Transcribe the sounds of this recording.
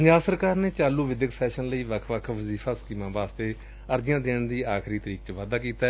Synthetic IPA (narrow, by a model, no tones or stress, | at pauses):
pəɲd͡ʒaːbsəɾkaːɾneːt͡ʃaːluːʋɪd̪jəksɛːʃənləiːʋəkʰʋəkʰʋəziːpʰaːskiːmãːʋaːst̪eː | əɾd͡ʒɪjãːd̪eːɳd̪iːaːkʰɾiːt̪əɾiːkt͡ʃʋaːd̪aːkiːt̪aː